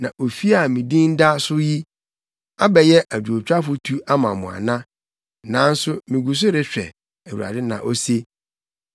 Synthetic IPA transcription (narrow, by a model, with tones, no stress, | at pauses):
nã˨ʔo˨fi˦a˨mĩ˨dĩ˦n˦da˦sʊ˦ji˦ | a˦bɛ˨jɛ˦ʔa˨dᶣu˨o˨t͡ɕᶣa˦fʊ˦tʰu˦a˦mã˨mʊ̃˨a̰˨nã˦ | nã˨˦n̩˦sʊ˦mĩ˨ɡu˨s̬ʊ˦ɾɪ˦ɕᶣɛ̰˨ | æ˨wu˨a̰˨dɪ˦nã̰˨ʔo˦se˦